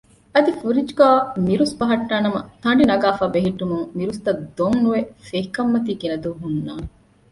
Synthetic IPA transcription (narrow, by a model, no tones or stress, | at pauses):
ɐd̪ifuɾid͡ʒɡaːmiɾusbɐɦɐʈːaːnɐmɐt̪ɐɳɖinɐɡaːfaːbeɦiʈːumuŋmiɾust̪ɐd̪oŋnuʋefeɦikɐmːɐt̪iːkinɐd̪uːɦunːaːne